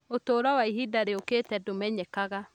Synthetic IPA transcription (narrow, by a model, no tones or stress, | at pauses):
otoːɾwawaiɦidaɾeoketɛdomɛɲɛkaɣa